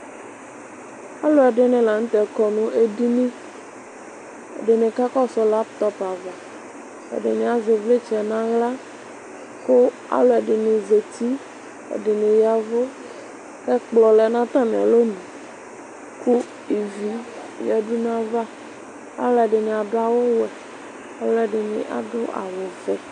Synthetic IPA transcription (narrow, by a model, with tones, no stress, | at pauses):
a˦lo˦a˨ɖe˦nẽ˨la˨ŋũ˦t̪ɛ˨kɔ˨nũ˦ʔe˦di˦nĩ˦ | ḛ˨de˨nẽ˨ka˦kɔ˦sɔ˦la˦pt̪ɔ˦pa˨va˨ | ḛ˨ɖe˨nẽ˨a˨ze˨vle˦t͡ʃɛ˨nã˦ɣla˦ | ko˦ | a̰˦lo˦a˨ɖe˨nẽ˨ze˨t̪i˦ | ḛ˨ɖe˨nẽ˨ja˨vo˦ | kɛ˦k͡plɔ˨lɛ˨nã˦t̪ã˦mẽ˨a̰˨lo˦nũ˨ | ku˦ | i˨vi˨ | jɛ˨ɖu˦nã˦va˦ | a̰˦lɛ˨ɖe˨nẽ˨a˨ɖo˦a˨wo˦wɛ˨ | a̰˨lo˦ɛ˨ɖe˨nḛ̃˨ʔa̰˨do˦ʔa̰˨vo˨fɛ˨